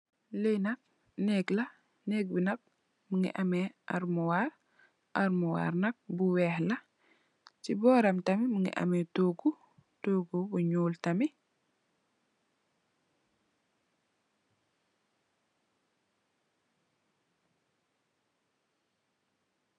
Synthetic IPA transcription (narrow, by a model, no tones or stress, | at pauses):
lejnɐk̚ | nɛklɐ | nɛk̚binɐk̚ | muŋɡḭʔamɛʔaɾmuwaɾ | ʔaɾmuwa̰ɾnɐk̚buwɛːhlɐ | t͡ʃibɔːɾɐmtɐmimuŋɡḭʔa̰mɛtoːɡu | toːɡubuɲuːltɐmi